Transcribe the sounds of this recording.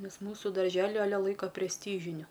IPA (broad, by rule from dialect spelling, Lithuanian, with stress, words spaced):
ˈnʲɛs ˈmuːsʊ dɐrʲˈʒʲæːlʲɪ ɐˈlʲɛ ˈlˠɐɪkoː pʲrʲɛsʲˈtʲiːʒʲɪnʲʊ